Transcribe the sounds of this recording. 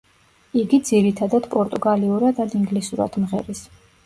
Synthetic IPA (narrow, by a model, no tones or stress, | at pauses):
iɡid̪ziɾit̪ʰad̪ad̪̥pʼɔɾt̪ʼuɡaliuɾad̪ad̪iŋɡlisuɾa̰d̪̥mʁɛ̰ɾis